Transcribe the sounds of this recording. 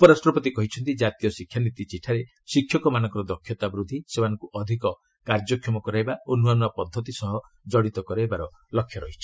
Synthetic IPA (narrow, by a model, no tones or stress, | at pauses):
upɔɾasʈɾɔpɔt̪ikɔɦit͡ʃʰɔnt̪id͡ʒat̪ijɔsikʰjanit̪it͡ʃiʈʰaɾe | sikʰjɔkɔmanɔ̃ŋkɔɾɔd̪ɔkʰjɔt̪abɾud̪ʱisemanɔ̃ŋkuʔɔd̪ʱikɔ | kaɾd͡ʒɔkʰjɔmɔkɔɾajbaonuanuapɔd̪ʱːɔt̪isɔɦɔ | d͡ʒɔɽit̪ɔkɔɾajbaɾɔ | lɔkʰːjɔɾɔɦit͡ʃʰi̥